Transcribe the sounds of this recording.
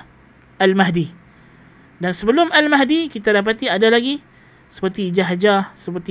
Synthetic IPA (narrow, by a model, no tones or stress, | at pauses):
almaɦdi | dansəbəlʊmalmaɦdikit̪adap̬at̪iadalaɡi | sə̥pərt̪id͡ʒaɦad͡ʒasəpərt̪i